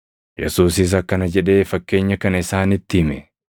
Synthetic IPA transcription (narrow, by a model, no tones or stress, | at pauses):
jɛsuːs̬ɪs̬ɐkːɐnɐd͡ʒɛᶑe̞ːfɐkːe̞ːɲːɐkɐnɐɪsaːnɪt̪ːɪɪmɛ